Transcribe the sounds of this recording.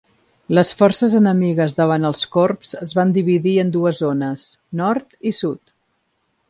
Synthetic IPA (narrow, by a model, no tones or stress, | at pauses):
ləsfɔrsəzənəmiɣəzðəβ̞anəlˠskorpz̥əzβand̪iβ̞iðiənd̪uəzonəsnɔɾt̪isut̪